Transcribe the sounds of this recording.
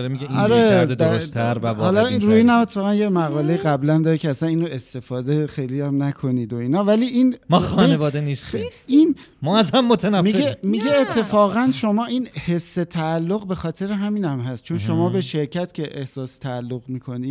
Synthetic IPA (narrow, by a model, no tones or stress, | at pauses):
ɾemiɡeɒɾe̞d̪ed̪æɾt̪ʰæɾvæbhɒːlɒːinɾuiːnæmet̪ʰːe̥fɒːɣænjemæɣɒːle̞jiɣæblænd̪ɒːɾecʰeæsæniːnoe̞st̪e̞fɒːd̪exe̞jliæmnækʰo̞niːd̪o̞iːnɒːvæliːʔiːnmɒxɒːnevɒːd̪enist̪ʰisʔin | mɒæzhæmːot̪ʰænæfmiɡemiɡɟeːt̪ʰːe̞fɒːɣænʃo̞mɒːiːnhe̞sːe̞t̪ʰæːlːoɣbe̞xɒːt̪ʰe̞ɾeɦæmiːnæmɦæst̪̚t͡ʃʰo̞nʃo̞mɒːbe̞ʃe̞ɾcʰæt̪cʰʲe̞ʔehsɒːst̪ʰæːlːoɣmiːkʰo̞niː